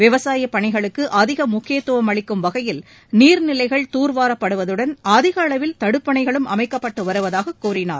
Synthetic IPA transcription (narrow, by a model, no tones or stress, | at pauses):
ʋɪʋɐsaːjɐpːɐɳɪɣɐɭɯkːɯʔɐðɪɣɐmʊkʰːɪjɐt̪ːɯʋɐmɐɭɪkːɯmʋɐɣɐjɪl | niːɾnɪlɐɪɣɐɭt̪uːɾʋaːɾɐpːɐɽɯʋɐðɯɽɐnɐðɪɣɐːɭɐʋɪlt̪ɐɽɯpːɐɳɐɪɣɐɭɯmʔɐ̰mɐɪkːɐpːɐʈːɯʋɐɾɯʋɐðaːɣɐkːuːrɪna̰ːɾ